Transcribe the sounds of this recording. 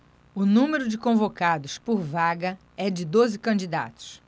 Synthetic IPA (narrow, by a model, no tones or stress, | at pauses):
ʊnũmeɾʊd͡ʒɪkõvokad̪ʊspoɾvaɡɐ | ɛd͡ʒɪd̪ozɪkɐ̃nd͡ʒid̪a̰t̪ʊ̥s